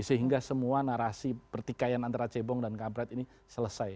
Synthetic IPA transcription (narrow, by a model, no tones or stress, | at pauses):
səɦiŋɡasəmuanaɾasipərt̪ikajanant̪aɾat͡ʃebɔŋdankampɾɛt̪ini | sələsaj